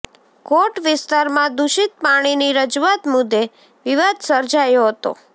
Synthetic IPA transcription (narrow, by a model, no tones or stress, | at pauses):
koʈʋɪst̪aɾmãd̪uʃit̪̚paɽ̃iniɾəd͡ʒuat̪mʊd̪ːe | ʋiʋad̪səɾd͡ʒajoɦət̪o̰